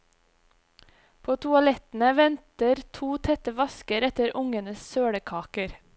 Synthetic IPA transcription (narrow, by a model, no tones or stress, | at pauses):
pʰoːt̪ʰʊɑlɛt̪n̩əʋɛnt̪əɾt̪ʰuːt̪ʰɛt̪əʋɑskəɾɛt̪əɾʔʊŋənəssøːɽəkʰɑːkəɾ